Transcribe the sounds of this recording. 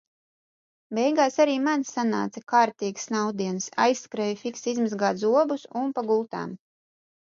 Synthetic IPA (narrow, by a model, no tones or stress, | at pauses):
bɛjɡaːsaɾiːmansana̰ːt̪sakaːɾt̪iːɡsnawd̪iɛnsa̰jsːkɾɛjfiksizmazɡaːt̪zuɔbusunpaɡulˠt̪a̰ːm